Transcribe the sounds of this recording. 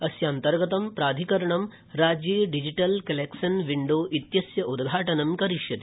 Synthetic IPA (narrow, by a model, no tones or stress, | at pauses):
ɐsjaːnt̪ɐɾɡɐt̪ɐmpɾaːd̪ʱikɐɾɐɳɐm | ɾaːd͡ʒjiːɖid͡ʒiʈɐlkɐlekʂɐnʋiɳɖoːʔit̪jɐsjɐʔud̪ɡʱaːʈɐnɐmkɐɾiʂjɐt̪i̥